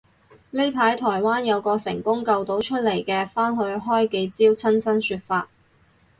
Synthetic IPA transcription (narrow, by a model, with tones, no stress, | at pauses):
le˥jpʰaː˨˥jt̪ʰɔː˨˩jwaː˥njɐ˨˧wkɔː˧sɪ̰˨˩ŋkʊ˥ŋkɐ˧wt̪o˨˥wt͡ʃʰɵ˥t̚le˨˩jkɛː˧faː˥nɦɵ˧ɥɦɔː˥jke˧jt͡siː˥wt͡sʰɐ˥nsɐ˥nsyː˧t̚faː˧t̚